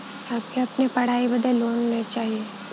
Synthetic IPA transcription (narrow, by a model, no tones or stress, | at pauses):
aːb̚keɐpnepɐɽ̤aːibɐd̪ʱeloːnːet͡ʃaːɦieː